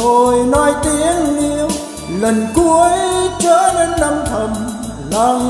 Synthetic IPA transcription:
o˨˧˩jnɔ˧˦jt̪i˧˦˥əŋni˧əw | lə˨˩nku˧˦əjt͡ɕəː˧˦˥le˧nna˧mt̪ʰə˧˩m | la˧˦

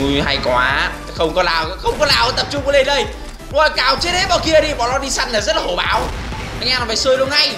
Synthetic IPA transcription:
ha˧jkwaː˨˦ | xə˧wŋ͡mkɔ˨˦laː˨˩wxə˧wŋ͡mkɔ˨˦laː˨˩wʔə˧˨˩t̪ə˨˩p̚t͡ɕʊ˧ŋ͡mkə˨˦le˧nɗə˧˩j | o˧˩kaː˨˩wt͡ɕi˨˦˥t̚ɗe˨˦ɓɔ˨˩ki˧əɗi˧˩ɓɔ˨˩lɔ˧˥ɗi˧sa˧ŋlaː˨˩zə˦˥t̚laː˨ho˨˩ɓa̰ː˨˩w | a˧˩ŋʔaː˧nɔ˨˩faː˨˩səː˧jlu˧ənŋa˧j

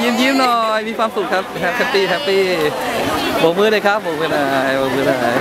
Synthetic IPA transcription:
ji˧˥˨mji˧˥˨mnɔː˧˩jmiː˧˥kʰwaː˧msu˨˩k̚ʰːa˦˥p̚ɦɛ˧˦˥p̚hɛ˦˧˥piː˧˩ɦɛ˦˥pːiː˧˩ | boː˨˩˦mɯː˧˦ɾa˨˩jkʰa˦˥p̚boː˨˦mɯː˧˩na˧˩jbo˨˩˦mɯː˧naː˧˩˦j

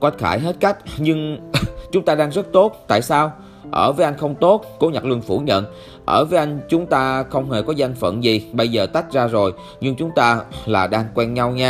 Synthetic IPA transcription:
kwa˨˦˥txa̰ː˧˩jɦe˦˥t̚ka˦˥jk̟̚ɲɨ˧ŋt͡ɕʊ˨˦ŋ͡mt̪aː˧ɗaː˧ŋzə˦˥t̚t̪o˦˥t̚t̪a̰ː˧˨jsaː˧w | ʔəː˧˩vəː˨˦jʔa˧jŋ̟xə˧wŋ͡mt̪o˦˥t̚ko˨˦ɲa˨˩k̚lɨ˧əŋfu˧˩ɲə̰˧˨n | ʔəː˧˩vəː˨˦jʔa˧jŋ̟t͡ɕʊ˨˦ŋ͡mt̪aː˧xə˧wŋ͡mhe˨˩kɔ˨˦za˧jŋ̟fə̰˧˨nzi˨˩ɓə˧jzəː˨˩t̪a˦˥jk̟̚zaː˧zo˨˩j | ɲɨ˧ŋt͡ɕʊ˨˦ŋ͡mt̪aː˧laː˨˩ɗaː˧ŋkwɛ˧nɲa˧wɲaː˧

